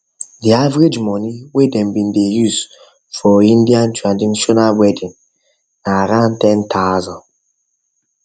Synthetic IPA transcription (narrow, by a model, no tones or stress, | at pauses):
diavɾed͡ʒmɔniwedɛ̃mbĩndejuz | fɔĩndiãntɹandinʃɔnalwɛdĩnː | aɾãntɛntʰaʊzɔ̃n